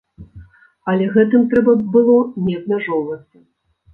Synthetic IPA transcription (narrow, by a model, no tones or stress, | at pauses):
ɐlʲɛɣɛt̪ɨmt̪ɾɛbɐbɨlˠɔnʲɛɐb̪mʲaʐɔwvɐsʲɐ